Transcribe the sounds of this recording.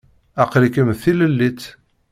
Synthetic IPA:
æqlikəmθiləlːit͡s

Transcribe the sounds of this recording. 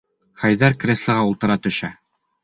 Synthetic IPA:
χæjðæɾkrʲeslˠɤ̆ʁɑulˠt̪ɤ̆ɾɑt̪ɵ̆ʃæ

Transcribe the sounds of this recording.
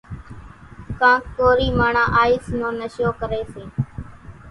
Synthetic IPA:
kãːkːoːɾiːmaːɳãːʔaːiːsnõːnəʃjoːkəɾeːseː

